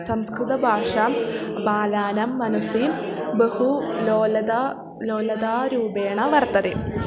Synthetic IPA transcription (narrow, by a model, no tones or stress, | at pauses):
sɐmskrɨt̪ɐbʱaːʂaːmbaːlaːnɐmːɐnɐsiːm | behuloːlɐd̪a | loːlɐd̪aːɾuːbeːɳɐʋɐrt̪ːɐðe